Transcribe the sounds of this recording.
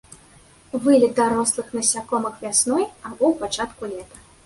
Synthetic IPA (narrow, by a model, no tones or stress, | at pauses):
vɨlʲɛd̪aɾɔslˠɨxnɐsʲakɔmɨxvʲasnɔjabɔwpat͡ʂat̪kulʲɛt̪ɐ̥